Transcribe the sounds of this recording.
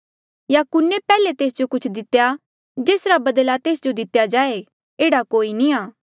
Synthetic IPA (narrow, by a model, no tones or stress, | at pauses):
jaːkʊnːepɛːlet̪eːsd͡ʒokʊt͡ʃʰd̪ɪt̪ːja | d͡ʒeːsɾabɐd̪lat̪eːsd͡ʒod̪ɪt̪ːjad͡ʒaːe | eːɽakoːinĩaː